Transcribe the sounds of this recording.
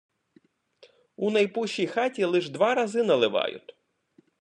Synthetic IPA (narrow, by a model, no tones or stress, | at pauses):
unɐjpuʃijxɑtʲilˠɪʒd̪ʋɑɾɐzɪnɐlˠɪʋɑ̰jʊ̰t̪ʲ